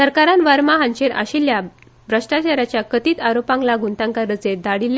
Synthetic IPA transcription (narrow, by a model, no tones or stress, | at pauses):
səɾkaɾanʋəɾmaɦaɲt͡ɕeɾa̰ɕilja | bʱɾəʂʈat͡ɕaɾat͡ɕjakət̪iːt̪aɾopãŋklaɡʱunt̪ãŋkaɾət͡sed̪aɽilː